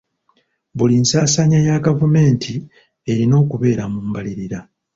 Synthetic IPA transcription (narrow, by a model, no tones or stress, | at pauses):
bulinsaːsaɲajaɡavume̞ːntʰi | e̞ɾino̞ːkuβe̞ːɾamuːmbaliɾiɾa